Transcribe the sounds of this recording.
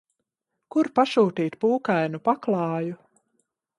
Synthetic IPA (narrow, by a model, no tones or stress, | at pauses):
kuɾpaʃuːt̪iːt̪puːkajnupaklˠɑːju